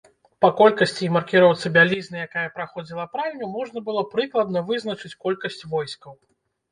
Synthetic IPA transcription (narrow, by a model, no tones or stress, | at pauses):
pɐkɔlʲkɐsʲt͡sʲimɐrkʲiɾɔwt̪sɨbʲalʲiznɨjakajɐpɾaxɔd͡zʲilˠɐpɾalʲnʲumɔʐnɐbɨlˠɔpɾɨklˠɐd̪nɐvɨzn̪ɐt͡ʂɨt͡sʲkɔlʲkɐsʲt͡sʲvɔjskɐw